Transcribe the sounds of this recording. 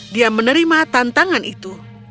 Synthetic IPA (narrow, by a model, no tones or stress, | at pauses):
diamənəɾimat̪ant̪aŋanʔit̪u